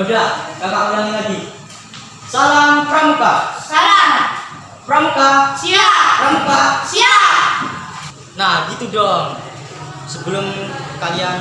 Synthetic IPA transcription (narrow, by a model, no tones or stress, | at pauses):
ablaɡapakuɾaŋilaɡi | salampɾamupasalam | pɾamukasiaɾamupasia | nahɡit̪udɔŋ | səbəlʊmkalian